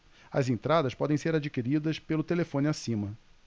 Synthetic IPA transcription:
ɐ̰zẽnt̪ɾad̪ɐspɔd̪ẽj̃seɾad͡ʒikiɾid̪ɐspelʊt̪elefõnɪasĩmɐ

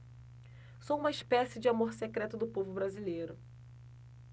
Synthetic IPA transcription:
soũmɐiʃpɛsɪd͡ʒɪamoɾsekɾɛt̪ʊd̪ʊpovʊbɾazilejɾʊ

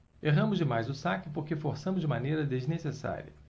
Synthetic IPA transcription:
eɦɐ̃mʊzd͡ʒɪmajzʊsakɪpoɾkefoɾsɐ̃mʊzd͡ʒɪmanejɾɐd̪eznesesa̰ɾʲiɐ̰

